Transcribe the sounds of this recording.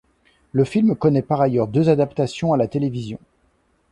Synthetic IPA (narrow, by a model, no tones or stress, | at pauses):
ləfilmkɔnɛpaʁajœʁd̪øzad̪apt̪asjɔ̃alat̪elevizjɔ̃